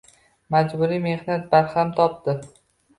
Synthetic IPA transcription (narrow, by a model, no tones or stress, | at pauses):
mad͡ʒbʊɾime̞hnat̪̚baɾhamt̪ʰɒp̚d̪ɪ